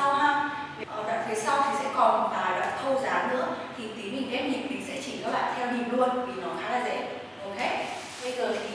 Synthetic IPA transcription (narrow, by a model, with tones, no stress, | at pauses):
a˧wɦa˧ | vi˨ʔəː˧˩ɓa̰ː˧˨fʰi˨˦sa˧wt̪ʰi˨˩sɛ̰˧˥kɔ˨˩n˨˩vaː˨˩la̰ː˧˨˩t̪ʰə˧wzaː˨˦nɨ̰˧˥ət̪ʰi˨˩t̪i˨˦nhï˨˩ŋ̟ʔɛ˦˥p̚ɲi˨˩k̚t̪ï˨˩ŋsɛ̰˧˥t͡ɕi˧˩nə˨˦˥ɓa̰ː˧˨ŋt̪ʰɛ˧wɲḭ˨˩ənlu˧ənvi˨˩nɔ˨˦xaː˨˦laː˨˩zə̰˧˥ | ʔo˧whʰɛ˦˥t̚ | ɓə˧jzəː˨˩lə̰˧˨